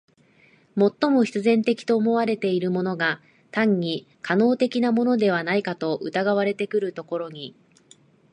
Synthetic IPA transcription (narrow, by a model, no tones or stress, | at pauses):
mo̞t̪ːo̞mo̞çi̥t͡sɨzẽ̞nt̪e̞kʲi̥t̪o̞ːmo̞β̞aɾe̞t̪e̞iɾɯ̟mo̞no̞ɡa | t̪ãɲ̟ɲi | kʰano̞ːt̪e̞kʲinamo̞no̞d̪e̞β̞anaikat̪o̞ʔɯ̟t̪aɡaβaɾe̞t̪e̞kɯ̟ɾɯ̟t̪o̞ko̞ɾo̞ɲ̟i